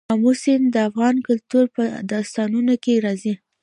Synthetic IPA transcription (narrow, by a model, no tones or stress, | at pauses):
ɑmusɪnd̪əafɣɑnkʊlt̪uɾpəd̪ɑst̪ɑnunokeɾɑzi